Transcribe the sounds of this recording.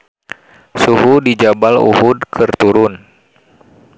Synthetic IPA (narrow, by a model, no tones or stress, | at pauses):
suɦudid͡ʒabalṵhudkʰɨrt̪uɾʊn